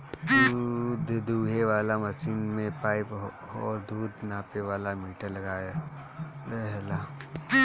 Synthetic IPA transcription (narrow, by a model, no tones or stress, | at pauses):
d̪ud̪ʱd̪uːɦeʋaːlamɐsiːnmẽpaːɪp | ɔːɾd̪uːd̪ʱnaːpeʋaːlamiːʈəɾlɐɡaːa | ɾɛɦla